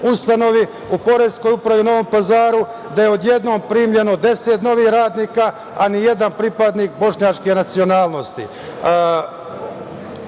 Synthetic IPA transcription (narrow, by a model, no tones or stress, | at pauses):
ust̪ano̞ʋi | upo̞ɾesko̞jupɾaʋino̞ʋo̞mpazaːɾu | d̪ajeo̞d̪je̞d̪no̞ːmpɾiːmʎe̞no̞d̪e̞set̪no̞ʋiːhɾaːd̪niːka | anije̞d̪anpɾipad̪niːk̚bo̞ʃɲat͡ʃkenat̪sio̞naːlˠno̞st̪ḭ